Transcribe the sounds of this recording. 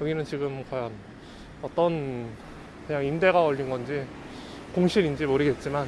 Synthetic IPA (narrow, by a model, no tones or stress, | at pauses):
jʌɡinɯnt͡ɕiɡɯmkwajʌn | ʌt͈ʌn | kɯɲaŋimde̞ɡaʌʎːinɡʌnd͡ʑi | koŋɕʰiɾind͡ʑimoɾɯɡe̞t̚t͡ɕ͈iman